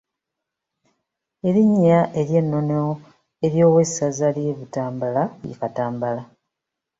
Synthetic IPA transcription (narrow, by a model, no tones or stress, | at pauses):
e̞ɾiɲːaʔe̞ɾje̞nːo̞neo | e̞ɾjo̞ːwe̞sazalieβitaːmbalaḭfataːmbala